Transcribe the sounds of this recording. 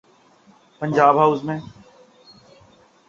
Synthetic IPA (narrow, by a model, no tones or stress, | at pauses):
pəɲd͡ʒaːbɦaʊzmẽː